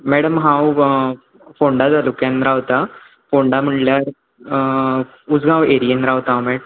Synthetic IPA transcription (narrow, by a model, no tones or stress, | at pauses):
meːɽɐmɦaːw | foːɳɖaːd̪ɐlukenɾaːwt̪a | foːɳɖamɐɳlaːɾ | uzɡãːweɾijɐnɾaːwt̪aːwmeɽ